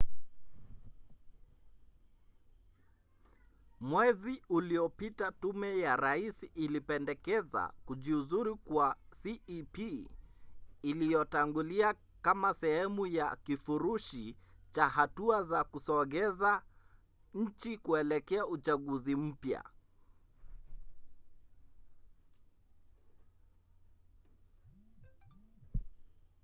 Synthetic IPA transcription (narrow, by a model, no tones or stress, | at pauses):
mwɛziuliɔpitatumɛjaɾaisiʔilipɛndɛkɛza̰kuʄiuzuɾikwasiipi | lijɔtaŋɡulia | kamasɛhɛmujakifuɾuʃit͡ʃaɦatuazakusɔɣɛza | ɲ̩t͡ʃikuɛlɛkɛaut͡ʃaɠuzim̩pja̰